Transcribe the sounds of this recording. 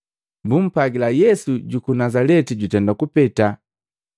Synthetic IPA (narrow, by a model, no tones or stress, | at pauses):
mbum̩paɡilajɛsuɟukunazalɛtiɟutɛndakupɛta